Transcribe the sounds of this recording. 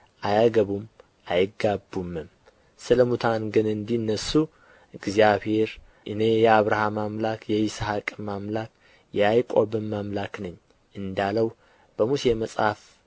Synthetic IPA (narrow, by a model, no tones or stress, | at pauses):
ʔajaɡəβum | ʔajɪɡabːumːɨm | sɨləmut̪ʰanɡɨnɨnd̪iɨnːəsu | ɨɡzijaβhe̞ɾ | ʔɨnejɛaβɾahamamlakʰjɛishakʼmamlak | jɛajkʷʼoβɨmːamlaknɨɲː | ʔɨnd̪aləw | b̥əmuseməsʼhaf